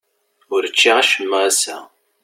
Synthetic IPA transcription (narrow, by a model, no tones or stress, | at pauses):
ʊɾət͡ʃːiʁæʃəmːʁæsæ̰